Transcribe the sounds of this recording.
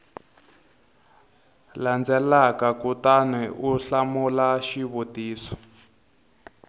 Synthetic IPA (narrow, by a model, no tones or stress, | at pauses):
land͡zɛlakakutanɛʔuɬamulaʃiβotiːsɔ̥